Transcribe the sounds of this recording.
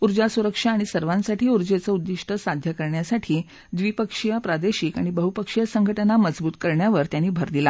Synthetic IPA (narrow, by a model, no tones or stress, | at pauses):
uɾd͡ʑasuɾəkʂaːɽ̃isəɾʋãnsaʈʰiːuɾd͡ʑet͡səud̪ːiʂʈʰəsad̪ʱjəkəɾɳjasaʈʰiː | d̪ʋipəkʂijapɾad̪eɕikaɽ̃ibəɦupəkʂijasəŋɡʱəʈənaməd͡zbuːt̪kəɾɳjaʋəɾt̪janːiːbʱəɾd̪ila